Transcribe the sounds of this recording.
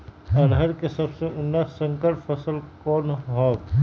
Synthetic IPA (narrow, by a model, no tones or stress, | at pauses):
əɾɦəɾkesɐbseʊnːasə̃ŋkəɾfʰəsəlkɔːnɦɔːɡ